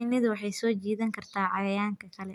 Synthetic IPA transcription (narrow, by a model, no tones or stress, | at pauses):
ɪnɪðʊwɑħɑjsɔːt͡ʃiːðɐŋkʰɐrt̪ʰaːʕɑjɐjaːŋkʰɐkʰɐlɛ